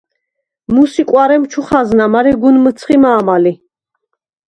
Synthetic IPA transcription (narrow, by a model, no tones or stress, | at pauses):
musikʼwaɾɛmt͡ʃʰuχaznamaɾɛɡunmət̪sʰχimaːmali